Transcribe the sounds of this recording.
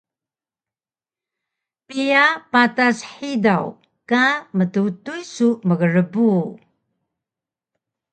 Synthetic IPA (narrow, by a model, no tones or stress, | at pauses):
pijapatasħidaw | kamətutujsuməɡəɾəbu